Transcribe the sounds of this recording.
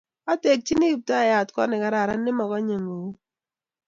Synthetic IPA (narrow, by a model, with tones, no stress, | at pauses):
a˦te˨k̚t͡ʃi˦ni˦˨p̚ta˦˨ja˨tkɔ˦nɪ˨ka˨ɾa˨ɾa˦nːɪ˦mɔ˨kɔ˦ɲe˨ŋi˨wu˦